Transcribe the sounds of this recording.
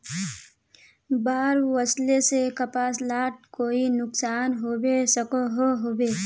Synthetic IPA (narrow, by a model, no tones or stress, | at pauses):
baːɾwəslesekəpaːslaːʈ̚koːinʊksaːnɦowesəkoɦoɦoːbeː